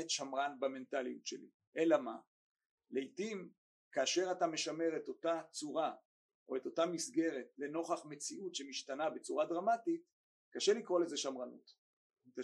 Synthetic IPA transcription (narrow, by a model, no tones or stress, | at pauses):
etʃamʁanbame̞ntalijutʃelḭ | ʔelama | leitim | kaːʃe̞ʁatame̞ʃame̞ʁe̞to̞tat͡suʁa | ʔo̞e̞to̞tamisɡe̞ʁe̞tle̞no̞χaχme̞t͡siutʃe̞miʃtanabe̞t͡suʁadʁamatit | kaʃelikʁo̞lezeʃamʁanṵt | ta